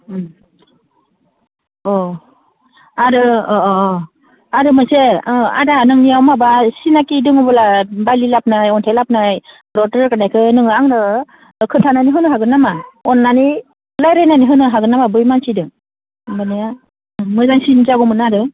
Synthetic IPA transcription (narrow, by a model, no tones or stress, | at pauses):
ɔ | aɾɯ | aɾɯmɯsea̰danɯŋnijawmabasinakidɯŋɯbɯlabalilap̚najɔntʰelap̚naj | ɾɔtɯɾkanajkʰɯnɯŋɯaŋnɯ | kʰɯntʰananiɦɯnɯɦaɡɯnamaɔnːani | lajɾajnaniɦɯnɯɦaɡɯnamabɯjmansidɯŋ | banija | mɯzaŋsinzaɡɔmɯnaɾɯ